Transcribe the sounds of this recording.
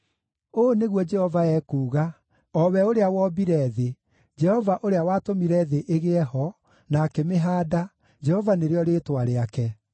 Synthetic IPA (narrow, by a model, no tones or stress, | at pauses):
oːneɣwɔd͡ʒɛhɔvaɛːkuːɣa | ɔwɛoɾeawɔbiɾɛːðe | d͡ʒɛhɔvaʔoɾeawaːtomiɾɛðeʔeɣeɛhɔ | naːkemeɦaːda | d͡ʒɛhɔvaneɾeɔɾeːtwaɾeakɛ